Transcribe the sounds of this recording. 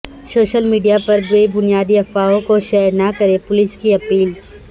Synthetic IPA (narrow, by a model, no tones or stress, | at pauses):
soːʃəlmiːɖijapɐɾboibʊnijaːd̪iɐfaːõkoʃɛːɾnakɐɾepʊlɪskiɐpiːl